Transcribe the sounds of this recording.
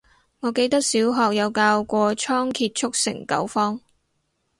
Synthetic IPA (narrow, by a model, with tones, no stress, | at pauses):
ŋɔː˨˧ke˧jt̪ɐ˥k̚siː˨˥wɦɔː˨k̚jɐ˨˧wkaː˧wkʷɔː˧t͡ʃʰɔː˥ŋkʰiː˧t̚t͡ʃʰʊ˥k̚sɪ̰˨˩ŋkɐ̰˨˥wfɔː˥ŋ